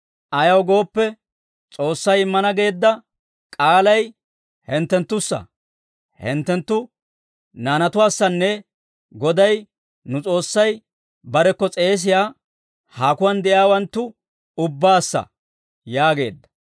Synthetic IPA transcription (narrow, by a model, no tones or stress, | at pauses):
ʔɐjɐwɡo̞ːpːɛ | t͡sʼo̞ːsːɐjɪmːɐnɐɡe̞ːd̪ːɐ | kʼaːlɐj | hɛnt̪ːɛnt̪ːʊsːɐ̰ | hɛ̰nt̪ːɛnt̪ːʊ | naːnɐt̪ʊwaːsːɐnːɛ | ɡɔd̪ɐj | nʊt͡sʼo̞ːsːɐj | bɐɾɛkːɔt͡sʼe̞ːs̬ɪjaː | haːkʊwɐnd̪ɛʔɪaːwɐnt̪ːʊ | ʊbːaːsːɐ̰ | jaːɡe̞ːd̪ːɐ̥